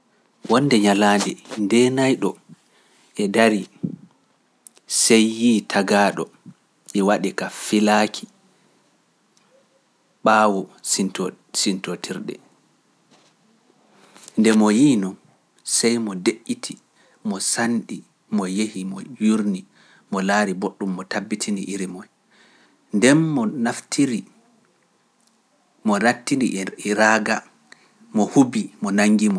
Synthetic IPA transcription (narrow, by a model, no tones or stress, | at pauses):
wɔndɛɲaladɛndɛnajɗɔ | ɛdaɾi | sejːiːtʰaɡaːɗɔ | ʔɛwaɗɛkafilakʰi̥ | ɓaːwɔit | sintotʰiɾɗɛ̰ | ndɛmɔjiːnɔn | sɛjmɔdeʔːitʰi | mɔsanɗi | mɔjehimɔ̰juɾni | mɔlaːɾiboɗːumːɔtabːitʰinḭʔiɾimɔj | ndɛnːɔnaftʰiɾi | mɔnatːiniɾaːɡa | mɔhubimɔnaŋːɡimɔ